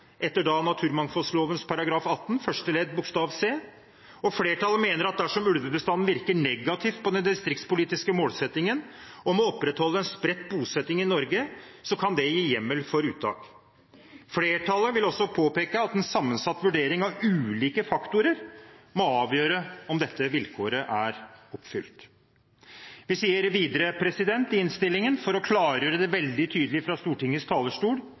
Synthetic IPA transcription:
ʔɛt̪ːəɖɑnɑt̪ʰʉːɾmɑŋfɔlsloːʋənspʰɑɾɑɡɾɑːfɑt̪ːnfœʂʈɛleːd̪̚bʊkst̪ɑːʋseː | ɔfleːʈʰɑləmeːnəɾɑt̪̚d̪æʂɔmʉlʋəbəst̪ɑnːn̩ʋɪɾkəɳɛɡɑt̪ʰɪfpɔd̪ɛnd̪ɪst̪ɾɪk̚t̪spʊliːt̪ɪskəmoːlsɛt̪ːɪŋənɔmɔɔpːɾɛt̪hɔlːəɛnspɾɛt̪ːbuːsɛt̪ːɪŋɪnɔɾɡə | sɔkʰɑnd̪ɛjiːjɛmːəlfɔɾʉːt̪ʰːɑ̰ːk | fleːʈʰɑːləɾʋɪlɔsːɔpʰoːpeːkəɑt̪ɛnsɑmːənsɑt̪ːʋʉɖeːɾɪŋɑʋʉːliːkəfɑkt̪ʊɾəɾmɔɑːʋjøːɾəɔmd̪ɛt̪ːəʋɪlkʰoːɾəʔæɾɔpːfʏlt̪ | ʋɪsiːəɾʋiːd̪əɾəpʰɾɛsɪd̪ɛnt̪ɪɪnst̪ɪlːɪŋənfɔɾɔkʰlɑːɾjøːɾəd̪ɛʋɛld̪ɪt̪ʰyːd̪əlɪfɾɑst̪uːʈɪŋːəst̪ʰɑːləʂʈuːɽ

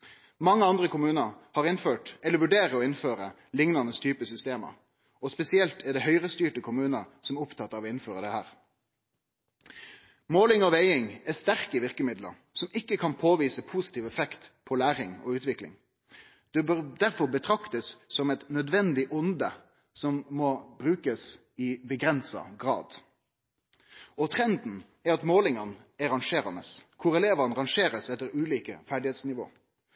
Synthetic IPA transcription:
mɑŋːəɑnd̪ʁəkʊmʉːnəɾhɑːʁɪnføːʈɛlːəʋʉɖeːʁəɔɪnføːʁə | lɪŋnɑnəst̪ʰyːpəsʏst̪eːmə̰ | ɔspɛsɪɛlt̪ʰɛɖɛhœʏʁəst̪yːʈəkʰʊmʉːnəʁsɔmʊpt̪ʰɑt̪ːɑʋɔɪnføːʁəd̪ɛhæːʁ | moːlɪŋɔʋeɪɪŋɛst̪æʁkəʋɪʁkəmɪd̪lə̰ɾ | sɔmɪkːəkʰɑnpʰoːʋiːsəpʰuːsɪ̥t̪ʰiːʋɛfɛkt̪pʰɔlæːɾɪŋɔ̰ʉːt̪ʋɪklɪ̰ŋ | d̪̥ɛbd̪æɾfɔɾbət̪ʰɾɑkt̪əsːɔmɛt̪nœd̪ʋɛnd̪ɪʔʊnd̪ə | sɔmmɔbɾʉːkəs | ɪbəɡɾɛnsɑ̰ɡʁɑ̰ːd̪ | ɔt̪ʰʁɛnd̪n̩ | ɛɾɑt̪moːlɪŋɑnɛʁɑŋʃeːɾɑnə̰skʰʊɾɛleːʋɑnʁɑŋʃeːɾəsɛt̪ːəɾʉːliːkəfæɖɪheːt̪snɪʋo̰ː

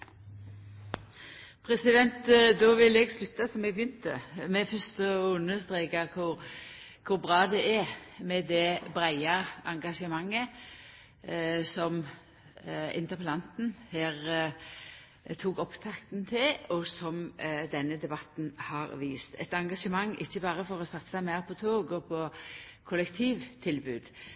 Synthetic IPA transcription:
pʰɾɛsɪd̪ɛnt̪d̪ɔʋɪlɛɡslʉt̪ːɑsɔmɛɡ̚bjʏnt̪ə̰mɛfœst̪ɔʉnːəst̪ʁeːkəkʰʊɾ | kʰʊɾbʁɑːd̪ɛʔɛmɛd̪ɛbɾæɪɑɑŋɡɑʂəmɑŋːə | sɔm | ɪ̰nt̪əpəlɑnt̪n̩heːʁ | t̪ʰuːkɔpt̪ʰɑkt̪n̩t̪ʰɪlɔsɔmd̪ɛnːəd̪ɛbɑt̪n̩hɑɾʋiːst̪ʰɛ̰t̪ɑŋɡɑʂəmɑŋːɪçːəbɑːɾəfɔɾɔsɑt̪sɑmæɪɾpʰɔt̪ʰoːɡɔpʰɔkʰʊlɛkt̪ʰiːʋt̪ʰɪlbʉːd̪

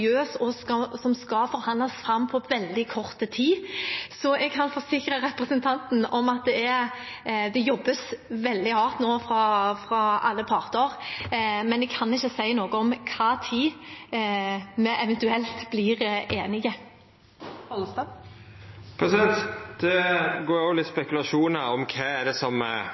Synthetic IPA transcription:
øːsɔskɑsɔmskɑfɔɾhɑnd̪lɑsfɾɑmːpʰɔʋɛld̪ɪkʰɔʁt̪ət̪ʰiːsɔɛɡ̚kʰɑnfɔɾsɪkɾəɾɛpɾɛsənt̪ʰɑnt̪n̩ɔmɑt̪̚d̪ɛɛ | d̪ɛjɔbːəsʋɛld̪ɪhɑːʁt̪noːfɾɑfɾɑɑlːəpʰɑʁt̪əɾ | mɛnɛɡ̚kʰɑnɪçːəsæɪnoːɡəɔmkʰɑːt̪ʰiː | mɛʔɛʋɛnt̪ʉɛlt̪bliːɾʔeːnɪɡə | ɔt̪ | pʰɾɛsɪd̪ɛnt̪d̪̥ɛɡoːɾoːlɪt̪spɛkʉlɑʃuːnəɾɔmkʰɛːæd̪ɛsɔm

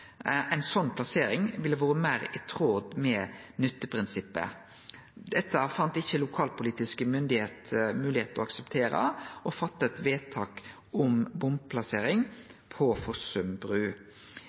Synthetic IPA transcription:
ɛɪnsɔnːpʰlɑseːɾɪŋʋɪlːəʋoːɾəmæːɾɛt̪ʰʁoːd̪mɛnʏt̪ːəpʰɾɪnsɪpːə̰ | d̪̥ɛt̪ːəfɑnt̪ɪçːəlʊkʰɑːlpʊliːt̪ɪskəmʏnd̪ɪheːt̪mʉːlɪheːt̪əɔɑksɛpt̪ʰeːɾə̰ʔɔfɑt̪ːəɛt̪ʋeːt̪ʰɑːk | ɔmbʊmb̚pʰlɑseːɾɪŋpʰɔfɔsʉmbɾʉː

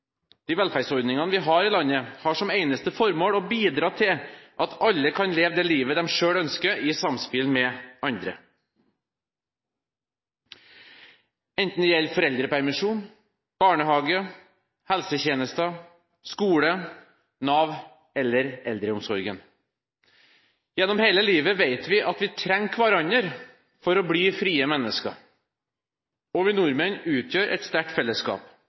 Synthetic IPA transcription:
d̪̥iːʋɛlfæɾsɔɾd̪nɪŋɑnəʋɪːɦɑːɾɪːlɑnːəhɑːʂɔmeɪnəst̪əfɔɾmoːɽɔːbiːd̪ɾɑːt̪ʰɪlʔɑt̪ʰɑlːəkʰɑnleːʋd̪ɛliːʋəd̪ɛmʂøːɽœnskəɪsɑmspɪlmɛɑnd̪ɾə̰ | ɛnt̪n̩ɪjɛlːfɔɾɛld̪ɾəpʰæɾmɪʂuːn | b̥ɑːɳəɦɑːɡə | hɛlsəçeːnəst̪ə | skuːɽə | nɑʋ | ɛlːəɾɛld̪ɾəʊmsɔɾɡən | jɛnːɔmheːləliːʋəʋeɪt̪ʋɪʔɑt̪ʋɪt̪ʰɾɛŋkʰʋɑɾɑnəɾ | fɔɾɔːbɽiːfɾiːəmɛnːəskɑ | ɔʋɪnʊɾmənʉːt̪ʰjøːɾʔɛ̰t̪st̪æʈfɛlːəskɑ̰ːp

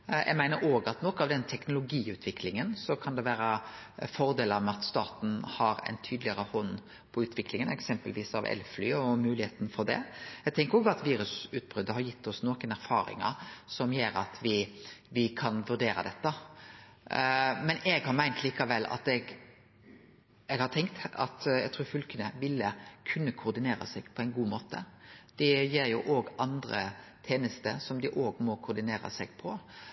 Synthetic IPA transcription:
jʔɛ̰ɡmæɪnəɾoːɡɑt̪nɔkɑʋd̪ɛnt̪ʰɛknʊlʊɡiːʉːt̪ʰʋɪkʰlɪŋənsɔkʰɑnd̪ɛʋæːɾəfɔɾd̪eːləɾmɛɑt̪st̪ɑ̰ːt̪n̩hɑɾɛ̰ɪnt̪ʰyːd̪lɪəɾəhɔnː | pʰɔʉːt̪ʰʋɪklɪŋənɛksɛmpəlʋiːsɑ̰ʋɛ̰lflyːɔmʉːlɪheːt̪n̩fɔɾd̪ɛ̰ɛɡ̚t̪ʰɛŋkəɾɔːɡɑt̪ʋiːɾʉsʉːt̪̚bʁʏd̪ːəɦɑɾjɪt̪ːɔsnoːkənæɾfɑ̰ːɾɪ̰ŋə̰sɔmjeːɾɑ̰t̪ʰʋɪʋɪkʰɑnʋʉɾɖ̪eːɾɑ̰d̪ɛt̪ːɑ | mɛnɛɡhɑɾmæɪnt̪ʰliːkɑʋɛlːɑ̰t̪ɛɡ | ɛɡhɑɾt̪ʰɛŋkt̪ɑ̰t̪ɛɡ̚t̪ʰɾuːɾfʉlkənəʋɪlːəkʰʉnːəkʰʊːɾd̪ɪneːɾɑ̰sɛɡ̥pʰɔɛɪnɡuːmoːt̪ə̰d̪̥ɛjeːɾjʊʔoːɡʔɑnd̪ɾə̰t̪ʰeːnəst̪əsɔmd̪ɪʔoːɡmɔkʰʊd̪ɪneːɾɑ̰sɛɡ̥pʰɔ

